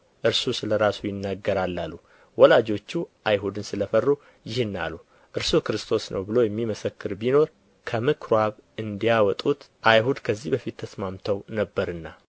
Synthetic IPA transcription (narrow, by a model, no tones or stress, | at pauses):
ʔɨɾsusɨləɾasujɪnːaɡːəɾalːalːu | wɔlad͡ʒo̞t͡ʃːuʔajɦud̪ɨnsɨləfərːu | jɪhɨnːa̰lu | ʔɨɾsukɾɨst̪ʰo̞snə̰wbɨlo̞jɛmːiməsəkːɨɾbino̞ɾ | kʰəmɨkʰɾwaβɨnd̪ijawɔt̪ʼut̪ | ʔajɦud̪kʰəzːihbəfit̪ʰːəsmamt̪ʰəwnəbːəɾɨnːa